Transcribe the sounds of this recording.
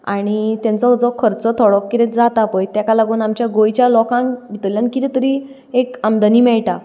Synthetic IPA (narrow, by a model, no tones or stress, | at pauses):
aɽ̃it̪jãnt͡sɔd͡zɔkʰəɾt͡sɔt̪ʰɔɽɔkːit̪ɛt̪d͡zat̪apəjt̪jakalaɡuːnamt͡ɕjaɡojt͡ɕjalɔkãŋbʱit̪əljankit̪it̪əɾiː | ekamd̪əniːmɛɭʈa